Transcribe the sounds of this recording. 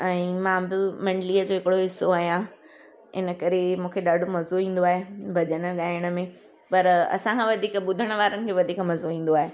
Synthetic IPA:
ɛ̃iːmãːbɪmɐ̃ɳɖliːəd͡ʑoːɦɪkɪɽoɦɪsːoaːɦijã | ɪ̰nəkɐɾemũːkʰeɗaːɖʱomɐzoɦĩːn̆d̪oaːɦebʱɐʄəɽ̃əɠaːɪɽ̃ə̆mẽ | pɐɾɐ̰sãkʰãʋɐd̪ʱiːkəɓʊd̪ʱəɽ̃ʋaːɾənɪ̆kʰeːʋɐd̪ʱiːkmɐzoɦĩːn̆d̪oaːɦe

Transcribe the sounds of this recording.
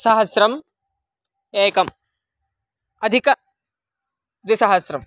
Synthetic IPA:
sɐɦɐsɾɐm | eːkɐm | ɐd̪ʱikɐ | d̪isɐɦɐsɾɐm

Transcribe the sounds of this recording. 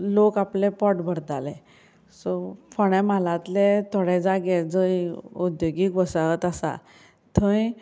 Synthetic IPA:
lokaplepɔʈbʱəɾd̪alɛ̃ | sɔfɔɽ̃ɛ̃malãt̪let̪ʰɔɽed͡zaɡed͡zəjud̪joɡikbɔsaɡət̪asa̰ | t̪ʰə̃ji

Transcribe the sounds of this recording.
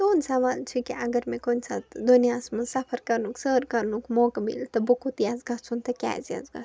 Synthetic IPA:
t̪oːnsɐʋaːlt͡ʃʰikiɐɡɐɾmẽkonsʰad̪onijaːsmɐsɐpʰɐɾkɐɾnuksəːɾkɐɾnukmoːkmḭlt̪ɐbukot̪iazɡɐt͡sʰunt̪ɐkʲa̰ːzia̰zɡɐ̰s

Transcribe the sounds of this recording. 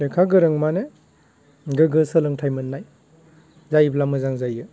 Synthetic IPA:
lekʰaɡɯɾɯŋmane | ɡɯɡɯsɯlɯŋtʰajmɯnːaj | zajblamɯzaŋzajɯ

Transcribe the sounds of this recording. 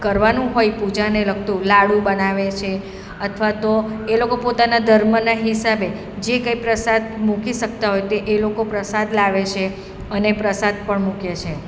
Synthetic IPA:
kəɾʋanũɦojpud͡ʒanelək̚ʰt̪ũlaɭũbənaʋet͡ʃʰe | ət̪ʰʋat̪oelokopot̪anad̪ʱəɾmənaɦisabe | d͡ʒekəipɾəsad̪̚mukiʃək̚t̪aɦojt̪eʔelokopɾəsad̪laʋet͡ʃʰe | ənepɾəsad̪̚pəɳmukjet͡ʃʰe

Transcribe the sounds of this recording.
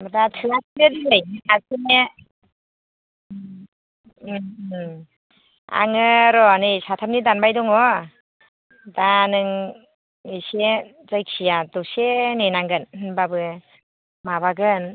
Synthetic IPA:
badatʰɯas̚ʰɯdilɯjasine | m | a̰ŋɯɾɔnɯjsatʰam̚nidanbajdɔŋɔ | danɯŋ | ise | zajkʰijadɔsenenaŋɡɯnnbabɯ | maβaɡɯn

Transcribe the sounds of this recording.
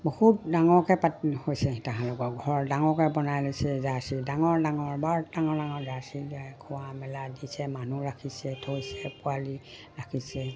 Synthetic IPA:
bohutdaŋɔɹkɛpathojsɛtaɦãlɔkɔɡʱɔɹɹdaŋɔkɛbɔnajlosɛzasidaŋɔɹdaŋɔɹbaɹdaŋɔɹdaŋɔɹzasiɡakʰɔwamɛladisɛmanuɹakʰisɛtʰojsɛpʊali | ɹakʰisɛ

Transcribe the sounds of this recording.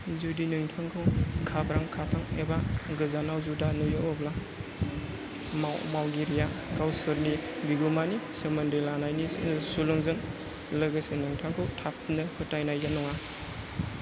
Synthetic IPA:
zudinɯŋtʰaŋkʰɯwkʰapʰɾaŋkʰatʰaŋebaɡɯzanawzudanujɯɔbla | mmawɡiɾijakawsɯɾnibiɡumanisemandelanajnisulɯŋzɯŋ | lɯɡasenɯŋtʰaŋkʰɯwtʰapʰnɯhɯtajnajzanɔŋa

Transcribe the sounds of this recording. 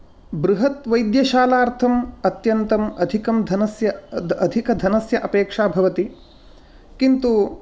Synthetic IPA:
bɾuɦɐt̪ʋɐjd̪jɐʃaːlaːɾt̪ʰɐmɐt̪jɐnt̪ɐmɐd̪ʱikɐmd̪ʱɐnɐsjɐɐd̪ʱikɐd̪ʱɐnɐsjɐʔɐpeːkʂaːbʱɐʋɐt̪i | kint̪u

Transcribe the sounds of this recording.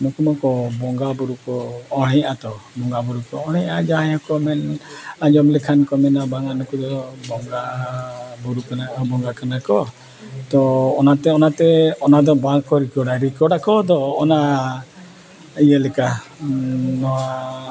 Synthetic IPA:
mukumakɔbɔŋɡabuɾukɔɔɽ̃ɛjat̪ɔbɔŋɡabuɾukɔɔɽ̃ɛɲad͡ʒaajakɔmɛnad͡ʒɔmlɛkʰankɔmɛnabaŋanɔkɔd̪ɔbɔŋɡa | buɾukaabɔŋɡakanakɔ | t̪ɔːnat̪ɛɔnat̪ɛɔnad̪ɔbaŋkɔɾikɔɽaɾikɔɖakɔd̪ɔːna | ijalɛka | nɔwa

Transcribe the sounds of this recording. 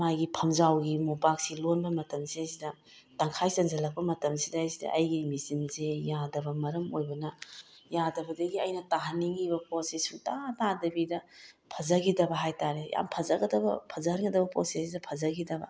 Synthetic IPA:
majɡipʰɐmzawɡimopak̚silonbɐmɐtɐmsejsidɐ | taŋkʰajsɐnzɐlɐk̚pɐmɐtɐmsidɐːjsidɐ̰ʔɐjɡimisinsejadɐbɐmɐɾɐmojbɐnɐjadɐbɐdɐɡiɐjnɐtaɦɐnːiŋibɐpɾosesutatadɐbidɐ | pʰɐzɐɡidɐbɐɦajtaɾeja̰mpʰɐzɐɡɐdɐbɐ̰pʰɐzɐnɡɐdɐbɐpɾo̰sesidɐpʰɐzɐɡidɐbɐ̰

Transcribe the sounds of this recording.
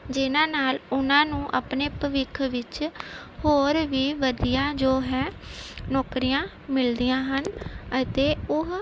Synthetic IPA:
d͡ʒɪnãːnaːlʊnãːnũːʔa̰ːpneːpəʋɪkʰʋɪt͡ʃhoːɾʋiːʋəd̪ijãːd͡ʒoːɦɛːnɔːkɾijãː | mɪld̪iːjãːɦənət̪eːʊɦ

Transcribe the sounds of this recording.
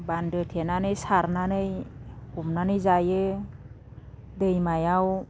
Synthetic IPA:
bandɯtʰenanɯjsaɾnanɯjhumnanɯjzajɯ | dɯjmajaw

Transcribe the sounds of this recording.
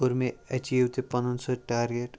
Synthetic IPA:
oɾmeɐt͡ʃiʋt̪epɐ̃nənsɔʈaːɾɡeʈ

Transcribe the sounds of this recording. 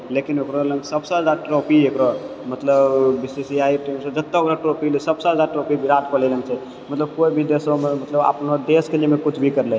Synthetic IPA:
lekinokɾɔlə̃ŋɡsəbsə̃ɦəd͡ʒaɾʈɾopiekɾɔmət̪ləbbisisiaiʈemsəd͡ʒət̪ːəokɾaʈɾopilisəbsə̃ɦzaɾʈɾopibʱiɾat̪̚pəlelənt͡ʃʰɛ | mət̪ləb̚koibʱid̪esɔmemət̪ləba̰pnɔd̪eskelemekut͡ʃʰbʱikəɾlɛ

